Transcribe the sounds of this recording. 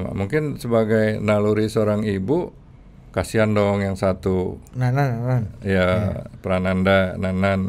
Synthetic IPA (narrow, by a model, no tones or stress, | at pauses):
ma̰muŋkɪnsəbaɡajnaluɾisoɾaŋibu | kasiandɔŋjaŋsat̪unananananjapəɾanandananan